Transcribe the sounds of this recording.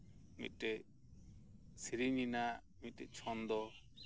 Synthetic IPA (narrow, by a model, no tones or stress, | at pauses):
mḭt̪ɛʔ | siɾinina | mit̪̚ʈɛʔt͡ʃʰɔnd̪ɔ